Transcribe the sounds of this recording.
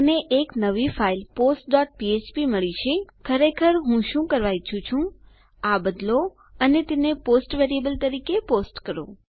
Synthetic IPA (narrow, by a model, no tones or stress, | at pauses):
əneʔeknəʋifailposʈ̚ɖɔʈ̚piet͡ʃpiməɭit͡ʃʰekʰəɾekʰəɾɦũʃũkəɾʋait͡ʃʰũt͡ʃʰũ | abəd̪lo | ənet̪eneposʈʋeɾiebəlt̪əɾikeposʈkəɾo̰